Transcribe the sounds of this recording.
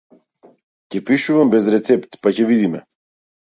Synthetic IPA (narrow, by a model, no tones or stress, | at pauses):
cɛpiʃuvambɛzɾɛt̪sɛpt̪pacɛvid̪imɛ̰